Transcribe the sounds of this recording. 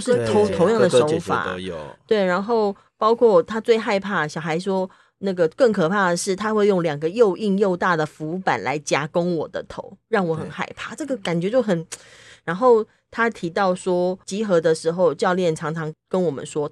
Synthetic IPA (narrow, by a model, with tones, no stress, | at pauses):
ʊʂɻ̩˥˨t̪ʰo˧˦t̪ʰo˧˥ʊjɑ˥˩ŋd̪ə˩ʂo˧˦fa̰˨˩˦t̪we˥˩ɪɻa˧˥nxo˥˩ʊ | pɑ˥ʊkʰwɔ˥˩t̪ʰa˥t͡swe˥˧ɪxa˥˧ɪpʰa˥˩ɕjɑ˨˩ʊxa˧˥ɪʂwɔ˥ | na˥˩ɡə˩kə˥˩ŋkʰɤ˨˩pʰa˥˩d̪ə˩ʂɻ̩˥˩t̪ʰa˥xwe˥˧ɪjo˥˩ŋljɑ˨˩ŋɡə˦jo˥˧ʊʔi˥˧ŋjo˥˧ʊt̪a˥˩d̪ə˩fu˧˥pa̰˨˩˦nla̰˧˥ɪt͡ɕja˥ko˥ŋwɔ˨˩d̪ə̰˦t̪ʰo˧˦ʊɻɑ˥˩ŋwɔ˨˩˦xə˨˩nxa̰˥˧ɪpʰa˥˩ʈ͡ʂɤ˥˩ɡə˨ka˨˩nt͡ɕɥɛ˧˥t͡ɕjo˥˩ʊxə˨˩n | ɻa˧˥nxo˥˩ʊ | t̪ʰa˥t̪ʰi˧˥t̪ɑ˥˩ʊswɔ˥t͡ɕi˧˥xɤ˧˥d̪ə˧ʂɻ̩˧˥xo˥˧ʊt͡ɕjɑ˥˧ʊljɛ˥˩nʈ͡ʂʰɑ˧˥ŋʈ͡ʂʰɑ˧˥ŋkə˦nwɔ˨˩mə̰˦nʂwɔ˥